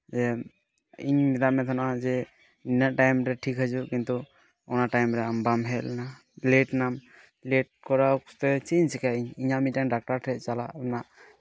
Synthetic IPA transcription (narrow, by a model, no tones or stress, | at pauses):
ɛ | iɲmɛt̪amɛt̪ʰanʔazɛ | ninaʈajmɾɛʈʰikʰad͡ʒukint̪u | ɔnaʈajmɾɛambamɦɛlna | leʈnam | leʈ̚kɔɾakt̪ɛt͡ʃiɲsɛkʰaiɲiɲamitaŋdak̚ʈaɾtʰɾɛt̚t͡ʃala̰ʔna